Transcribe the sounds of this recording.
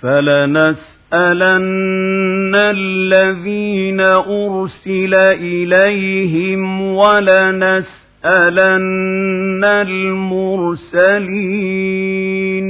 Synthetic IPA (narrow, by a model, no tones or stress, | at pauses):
falanas | ʔalanː | allːaðiːnaʔʊɾsɪlaʔɪlajɦɪmwalanas | ʔalanː | almʊɾsaliː | n